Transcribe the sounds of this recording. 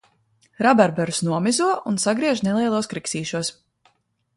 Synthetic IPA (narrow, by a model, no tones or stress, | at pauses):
ɾabaɾbɛɾsnuɔmizuɔʔunsaɡɾiɛʒnelˠiɛlˠuɔskɾiksiːʃuɔs